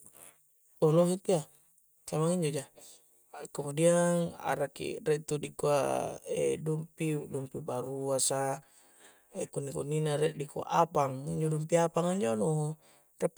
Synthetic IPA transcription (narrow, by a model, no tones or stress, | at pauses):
oloɦit̪ia | samaŋiɲd͡ʒod͡ʒa | kamudiana̰ɾakḭɾɛʔt̪udikuaḛdumpidumpibaɾuasa | ekunːikunːinaɾɛʔdikua̰ʔapaŋiɲd͡ʒodumpiapaŋaɲd͡ʒono | t̪ap